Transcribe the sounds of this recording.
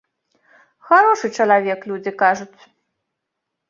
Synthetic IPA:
xaɾɔʂɨt͡ʂɐlˠavʲɛklʲud͡zʲikaʐut͡sʲ

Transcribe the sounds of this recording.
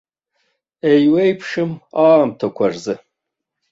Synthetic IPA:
ejwejpʰʂɨmaːmtʰakʷʰarzɨ

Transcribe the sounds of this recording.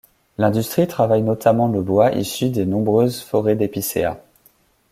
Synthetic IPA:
lɛ̃d̪yst̪χit̪χavajnɔt̪ʰamɑ̃ləbwaʔḭsyd̪enɔ̃bʁøzfɔʁed̪episḛa̰

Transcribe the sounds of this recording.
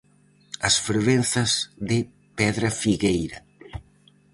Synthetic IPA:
ɐsfɾβenθɐzðɪ | pɛðɾafiɣejɾɐ

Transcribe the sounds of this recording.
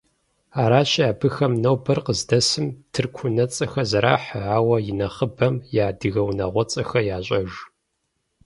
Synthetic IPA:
aːɾaːɕaːbɨxɐmnɐwbɐrqəzdɐsɨmtʰɨrkʷʰʊnɐt͡sʼɐxɐzɐɾa̰ːħəʕaːwɐjɪnɐχəbɐmjaːdɨɣɐwnɐʁʷɔt͡sʼɐxɐjaːɕʷʼɐʒ

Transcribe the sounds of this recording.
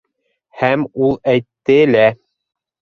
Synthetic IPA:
hæmulˠæjt̪ːɘlæ

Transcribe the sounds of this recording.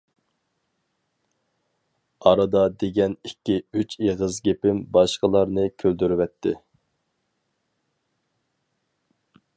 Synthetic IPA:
ɑɾɑd̪ɑd̪eɡʲɛnikʲːiyt͡ʃeʁəzɡʲepɪmbɑʃqəlˠɑɾnɨkʲʰøld̪yɾyvɛt̪ʰːɪ̰

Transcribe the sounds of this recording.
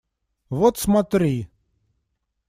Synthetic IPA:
vot̪smɐt̪ɾʲi

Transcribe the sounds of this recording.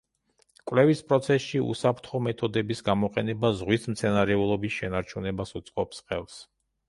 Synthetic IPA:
kʼwlɛvispʼɾɔt̪sʰɛsʃiṵsapʰɾt̪ʰχɔmɛt̪ʰɔd̪ɛbisɡamɔqʼɛnɛbazʁwismt̪sʰɛnaɾɛulˠɔbisʃɛnaɾt͡ʃʰunɛbasut̪sʼqʼɔpsqʼɛ̰lˠs

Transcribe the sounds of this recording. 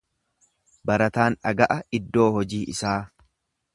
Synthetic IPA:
bɐɾɐt̪aːnᶑɐɡɐʔɐɪd̪ːo̞ːhɔd͡ʒiːʔɪsaː

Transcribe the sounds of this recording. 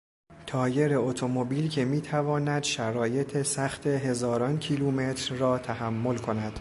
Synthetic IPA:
t̪ʰɒːje̞ɾeot̪ʰo̞mobiːlcʰe̞miːt̪ʰævɒːnæd̪ʃæɾɒːje̞t̪ʰesæxt̪ʰe̞ɦe̞zɒːɾɒːncʰiluːme̞t̪ʰɾːɒːt̪ʰæhæmːo̞lkʰo̞næd̪̥

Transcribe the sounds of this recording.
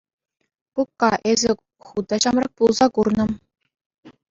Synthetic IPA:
kukːɑʔezʲɘ̆ | χud̪ɑɕɑmrɑk̚pulˠzɑkurnɤ̆

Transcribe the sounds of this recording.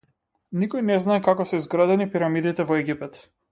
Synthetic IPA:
nikɔjnɛznaɛkakɔsɛizɡɾad̪ɛnipiɾamid̪it̪ɛvɔɛɡʲipɛt̪

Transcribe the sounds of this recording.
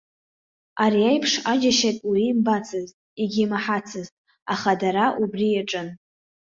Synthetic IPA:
aɾiajpʰʂad͡ʒaʃatʼwiːmbat͡sʰɨztʼiɡʲimaħat͡sʰɨztʼ | aχadaɾaʔubriaʈ͡ʂʼɨn

